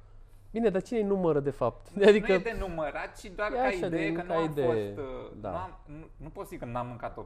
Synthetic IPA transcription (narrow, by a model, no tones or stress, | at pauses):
bine̞d̪at͡ʃinejnuməɾəd̪e̞fap̚t̪d̪ead̪inkəed̪enuməɾat̪̚t͡ʃid̪oaɾjeaʃad̪ek̪aaid̪eosd̪a̰am | nunupot̪səzikənamːɨŋkat̪ːo